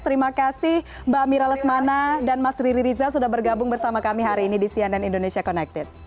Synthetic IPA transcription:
t̪əɾimakasɪh | bamiɾaləsmanadanmasɾiɾiɾizasudahbərɡabʊŋbərsamakamiɦaɾiːnidisiandanindonesiakɔnɛk̚t̪ɛt̪̚

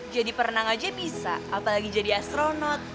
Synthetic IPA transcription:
d͡ʒadipərnaŋad͡ʒabisa̰ʔapalaɡid͡ʒadiast̪ɾonɔt̪̚

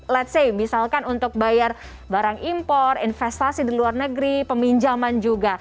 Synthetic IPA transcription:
lɛt̪sejbisalkanunt̪ʊk̚bajar | baɾaŋimpɔrinfɛst̪asidiluarnəɡɾipəmiɲd͡ʒamand͡ʒuɡa

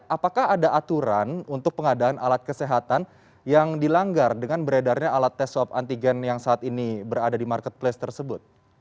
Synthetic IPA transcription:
ʔapakahadaʔat̪uɾanunt̪ʊk̚pəŋadaanʔalat̪̚kəseɦat̪an | jaŋdilaŋɡardəŋanbəɾedarɲaːlat̪ːɛsɔpa̰nt̪iɡɛnjaŋsaːt̪inibəɾadadimarkət̪̚plest̪ərsəbʊt̪̚

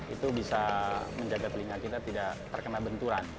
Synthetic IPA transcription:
it̪ubisaməɲd͡ʒaɡat̪liŋakit̪at̪idaʔt̪ərkənalbənt̪uɾan

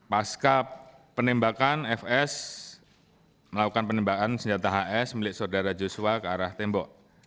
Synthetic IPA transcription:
paskapənimbakanɛfɛs | məlakukanpənimbakansəɲd͡ʒat̪aɦaʔɛsmilɪʔsoodaɾad͡ʒusuakəaɾaht̪embɔʔ

